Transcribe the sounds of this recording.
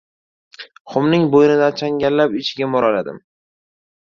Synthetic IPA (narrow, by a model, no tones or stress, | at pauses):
χʊmnɪŋbojɪnɪd̪ant͡ʃʰaŋɡʲallapɪt͡ʃʰɪɡʲamɒɾalad̪ɪ̰m